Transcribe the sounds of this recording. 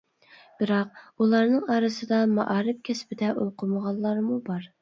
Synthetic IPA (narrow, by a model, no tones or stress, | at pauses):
b̥ɪɾɑq̚ulˠɑɾnɨŋɑːɾɨsɨd̪ɑmɑ̰ʔɑːɾɪp̚kʲʰɛspɪd̪ɛʔolqʰʊməʁɑnˠlːˠɑɾmubɑɾ